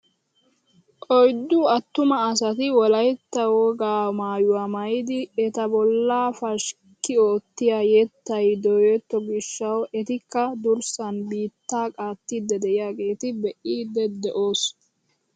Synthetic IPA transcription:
ʔɔjd̪ːʊɐt̪ːʊmɐːs̬ɐt̪ɪwɔlɐjt̪ːɐwoɡaːmaːjʊwaːmɐjɪd̪ɪɛt̪ɐbɔlːaːfɐʃ | kːɪoːt̪ːɪjaːjɛt̪ːɐjd̪ɔjɛt̪ːɔɡɪʃːɐwɛt̪ɪkːɐd̪ʊɾsɐnbiːt̪ːaːkʼaːt̪ːid̪ːɛd̪ɛʔɪjaːɡe̞ːt̪ɪbɛʔiːd̪ːɛd̪ɛʔoːs

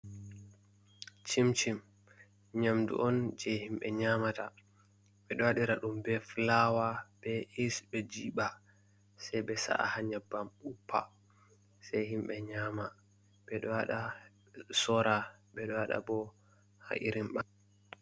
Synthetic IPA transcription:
t͡ʃimt͡ʃim | ɲamdṵʔɔnd͡ʒɛhimɓɛɲamata | ɓɛɗɔwaɗiɾaɗumbɛflawab̥ɛisbɛd͡ʒiːɓa | sɛjɓɛsa̰ʔa̰haɲabamupʰːa̰ | sajhimɓɛɲaːma | ɓɛɗɔwaɗa | sɔɾaɓɛɗɔwaɗa̰bɔ | ha̰ʔḭɾimɓan

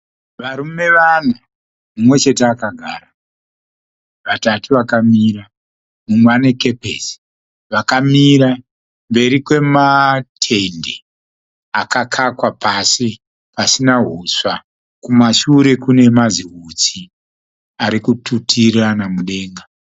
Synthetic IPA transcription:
ʋaɾumme̞ʋan̤u | mumwe̞t͡ʃe̞teakaɡʱaːɾa | ʋatatuʋakamiɾa | mumwaneke̞pesi̥ | ʋakamiɾa | mbe̞ɾikwe̞matʰe̞nde | akakʰakwapasi | pasinaɦuswa | kumaʃuɾe̞kune̞maziɦut͡si | aɾikututʰiranamuɗe̞ːŋɡa

